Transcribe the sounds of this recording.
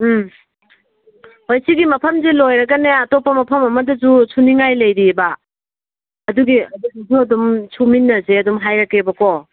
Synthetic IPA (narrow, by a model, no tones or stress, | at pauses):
hojsiɡimɐpʰɐmzelojɾɐɡɐneɐtopːɐmɐpʰɐmɐmɐdɐzusʰuniŋajlɐjɾiba | ɐduɡiɐduɡizuɐdumsʰuminːɐzeɐdumɦajɾɐkebɐko